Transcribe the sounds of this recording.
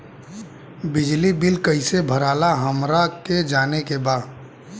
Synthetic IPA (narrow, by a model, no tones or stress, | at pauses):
bɪd͡ʒlibɪlkəɪsebʱəɾaːlaɦəmɾaked͡ʒaːnekebaːd̪